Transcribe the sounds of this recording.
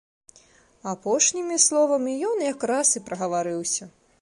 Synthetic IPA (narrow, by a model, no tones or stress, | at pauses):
apɔʂnʲimʲislˠɔvɐmʲijɔnjakrasɨpɾɐɣɐvaɾɨwsʲɐ